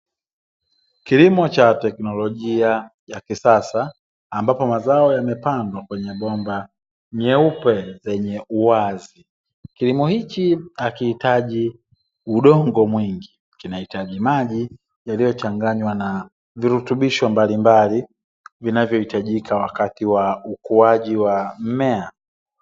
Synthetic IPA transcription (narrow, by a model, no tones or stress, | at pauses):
kilimɔt͡ʃatɛknɔlɔʄiajakisasaː | mbapɔmazaɔjamɛpandwakwɛɲɛɓɔmba | ɲɛupɛzɛɲɛʔuwazi | kilimɔhikiakihitaʄi | uɗɔŋɡɔmwiŋɡi | kinahitaʄimaʄi | jalijɔt͡ʃaŋɡaɲwana | viɾutuɓiʃɔmbalimbali | vinavjɔhitaʄikawakatiwaukuaʄiwam̩mɛa